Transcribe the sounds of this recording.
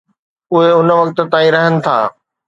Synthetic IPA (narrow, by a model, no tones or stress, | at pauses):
ʊɦeʊnə̆ʋɐkt̪̆t̪ãːĩɾɐɦənɪ̆t̪ʰa̰ː